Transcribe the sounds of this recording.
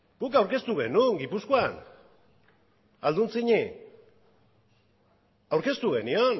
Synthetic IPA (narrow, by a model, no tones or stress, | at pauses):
pukawɾke̞st̪uɣe̞nuŋɡipuskoan | ald̪unt͡siɲi | awɾke̞st̪uɣe̞nio̞n